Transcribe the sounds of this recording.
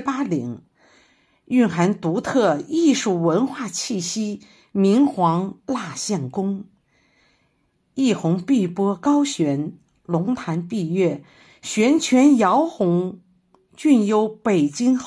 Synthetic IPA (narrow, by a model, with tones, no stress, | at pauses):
pa˥lḭ˨˧˩ŋ | y˥˩nxa˧˥nt̪u˧˥t̪ʰɤ˥˧i˥˧ʂu˥˩wə˧˥nxwa˥˧t͡ɕʰi˥˩ɕi˥ | mi˧˥ŋxwɑ˧˥ŋla˥˧ɕjɑ˥˩nkʊ˥ŋ | i˥˩xʊ˧˥ŋpi˥˩pwɔ˥kɑ˥ʊɕɥɛ˧˥n | lʊ˧˥ŋt̪ʰa˧˥npi˥˧ɥɛ˥˩ | ɕɥɛ˧˥nt͡ɕʰɥɛ˧˥njɑ˧˥ʊxʊ˧˥ŋ | t͡ɕy˥˩njo˧˥ʊpe˨˩ɪt͡ɕi˥ŋ